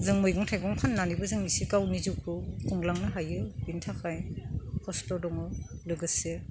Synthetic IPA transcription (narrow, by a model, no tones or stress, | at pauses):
zɯŋmɯjɡɔŋtʰajɡɔŋpʰanːanibɯzɯŋnisikawnizukʰɯkʰɔŋlaŋnɯɦajɯbintʰakʰajkʰɔstɔdɔŋɯlɯɡɯse